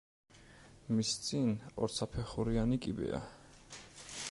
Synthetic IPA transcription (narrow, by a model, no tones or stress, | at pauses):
mist̪sʼinɔ̰ɾt̪sʰapʰɛχuɾianikʼibɛ̰a̰